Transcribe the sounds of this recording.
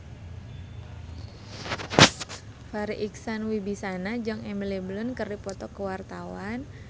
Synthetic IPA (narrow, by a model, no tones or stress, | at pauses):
faɾiʔiksanwibisanad͡ʒaŋɛmileblʊnkərdipɔt̪ɔkəwart̪awan